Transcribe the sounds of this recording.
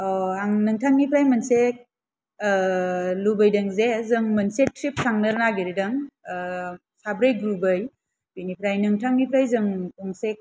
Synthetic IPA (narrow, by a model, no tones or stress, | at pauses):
aŋnɯŋtʰaŋnipʰɾajmɐnsek̚ | lubɐjdɐŋzezɯŋmɐnset̚tɾip̚sʰaŋnɯɾnaɡiɾidɐŋ | sabɾɯjɡɾubɯj | binipʰɾajnɯŋtʰaŋnipʰɾajzɯŋuŋsek̚